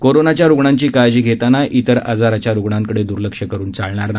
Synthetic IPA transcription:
koɾonat͡ɕjaɾuɡɳaɲt͡ɕiːkajd͡ʑiːɡʱet̪anaʔit̪əɾa̰d͡zaɾat͡ɕjaɾuɡɳãŋkəɽed̪uɾləkʂəkəɾuːnt͡saɭɳaɾna

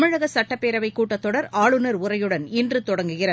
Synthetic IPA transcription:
mɪɻɐɣɐsɐʈːɐpːeːɾɐʋɐɪkːuːʈːɐt̪ːɔɽɐɾaːɭɯnɐɾʊrɐjɯɽɐnɪndrɯt̪ɔɽɐŋɡɯɣɪrɐ

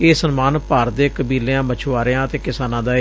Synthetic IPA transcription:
eːsənmaːnpaːɾd̪eːkəbiːleãːmət͡ʃʰʋaːɾeãːət̪eːkɪsaːnãːd̪aː

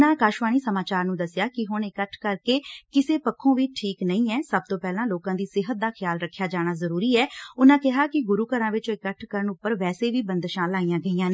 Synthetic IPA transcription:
nãːkaːʃʋaːniːsəmaːt͡ʃaːɾnũːd̪əsjaːkɪɦʊɳɪkəʈʰkəɾkeːkɪseːpəkʰːõːʋiːʈʰiːknəĩːɛːsəb̚t̪õːpɛːlãːloːkãːd̪iːsɪɦət̪̚d̪aːxʰɪjaːlɾəkʰːjaːd͡ʒaːɽ̃aːzəɾuːɾiːɛːʊnãːkɪɦaːkɪɡʊɾuːkəɾãːʋɪt͡ʃɪkəʈʰkəɾəɳʊpːəɾʋɛːseːʋiːbənd̪ʃãːlaːijãːɡəiːãːneː

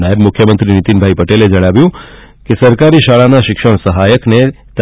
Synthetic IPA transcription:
najəbmʊkʰjəmənt̪ɾinit̪inbʱaipəʈeled͡ʒəɽ̃aʋjũ | kesəɾkaɾiʃaɭanaʃɪkʃəɳ̃səɦajəkne | t̪

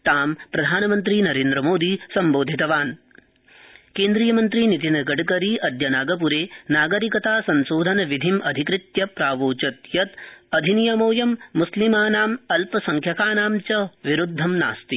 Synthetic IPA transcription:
t̪aːmpɾɐd̪ʱaːnɐmɐnt̪ɾinɐɾeːnd̪ɾɐmoːd̪isɐmboːd̪ʱit̪ɐʋaːn | keːnd̪ɾijɐmɐnt̪ɾinit̪̬inɐɡɐɖkɐɾiɐd̪jɐnaːɡɐp̬uɾeːnaːɡɐɾikɐt̪aːsɐnsoːd̪ʱɐnɐʋid̪ʱimʔɐd̪ʱikɾɪt̪jɐpɾaːʋoːt͡ʃɐt̪jɐt̪ɐd̪ʱinijɐmoːjɐmːuslimaːnaːmɐlpɐsɐŋkʰjɐkaːnaːmt͡ʃɐʋiɾud̪ʱːɐmna̰ːst̪i

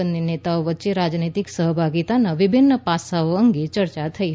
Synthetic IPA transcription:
əninet̪aoʋətːʃeɾad͡ʒnit̪iksəɦbʱaɡit̪anaʋɪbʱinːəpasaoəŋɡet͡ʃəɾt͡ʃat̪ʰəiɦ

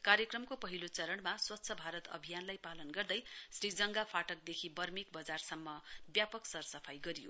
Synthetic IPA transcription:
kaɾjʌkrʌmkopʌɦilot͡sʌɾʌɳmaswʌtːsʰʌbʱaɾʌt̪ʌ̰bʱijanlajpalʌnɡʌrd̪ʌjsrid͡zʌŋɡapʰaʈʌk̚d̪ekʰibʌrmikbʌd͡zarsʌmːʌbjapʌksʌrsʌpʰajɡʌɾijo̰

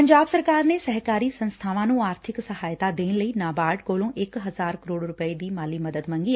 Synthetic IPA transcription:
pəɲd͡ʒaːbsəɾkaːɾneːsɛɦkaːɾiːsənst̪ʰaːʋãːnũːaːɾt̪ʰɪksəɦaːjt̪aːd̪eːnləiːnaːbaːɖkoːlõːʔɪkɦəzaːɾkəɾoːɽɾʊpəiːd̪iːmaːliːməd̪əd̪mə̃ŋɡiː

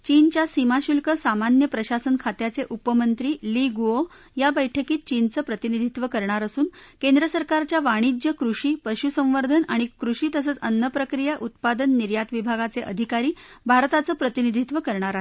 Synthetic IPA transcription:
t͡ɕint͡ɕjasimaɕulkəsamanjəpɾəɕasənkʰat̪jat͡seʔupəmənt̪ɾiːliɡuo | jabəjʈʰəkiːt̪̚t͡ɕint͡səːpɾət̪inid̪ʱit̪ʋəkəɾɳ̃aɾəsuːnkend̪ɾəsəɾkaɾt͡ɕjaʋaɽ̃id͡ʑjəkɾuʂiːpəɕusə̃w̃ʋəɾd̪ʱənaɽ̃ikɾuʂiːt̪əs̬əːt͡sənːəpɾəkɾijaʔut̪pad̪ənːiɾjat̪ʋibʱaɡat͡seʔə̰d̪ʱikaɾiːbʱaɾt̪at͡səːpɾət̪inid̪ʱit̪ʋəkəɾɳaɾaɦe

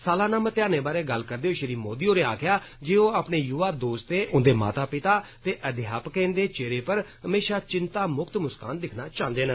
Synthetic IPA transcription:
saːlaːnãːmət̪ɪjaːneːbaːɾeːɡəlkəɾd̪eːoːʃəɾiːmoːd̪iːoːɾeːaːkʰɪjaː | d͡ʒeːoːaːpneːjuʋaːd̪oːst̪eːʔʊnd̪eːma̰ːt̪aːpɪt̪aːt̪eːʔəd̪ʱɪjaːpkɛ̃ːnd̪eːt͡ʃeːɾeːpəɾɦəmeːʃaːt͡ʃɪnt̪aːmʊkt̪mʊskaːnd̪ɪkʰnaːt͡ʃãːnd̪eːnə

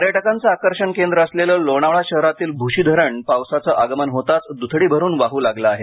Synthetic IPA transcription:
əɾjeʈəkant͡saakəɾɕəɳkend̪ɾəːsleləːloɽ̃aʋɭaɕəɦɾat̪iːlbʱuɕiːd̪ʱəɾəɳpawsat͡səʔaɡəmənɦot̪at͡sd̪ut̪ʰɽiːbʱəɾuːnʋaɦuːlaɡləaɦe

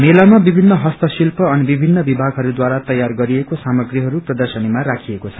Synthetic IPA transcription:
melamabibʱinːʌɦʌst̪ʌsilpʌʌnbibʱinːʌbibʱaɡɦʌɾud̪waɾat̪ʌjarɡʌɾiekosamʌɡriɦʌɾuprʌd̪ʌrsʌnimarakʰiekot͡sʰʌ̥

